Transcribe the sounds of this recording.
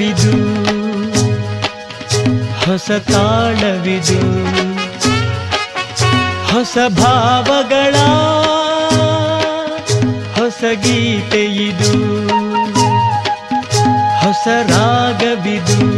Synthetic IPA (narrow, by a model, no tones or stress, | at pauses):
id̪u | hɔsɐt̪aːɭɐʋid̪u | hɔsɐbʱaːʋɐɡɐɭaː | hɔsɐɡiːt̪ejid̪u | hɔsɐɾaːɡɐʋid̪u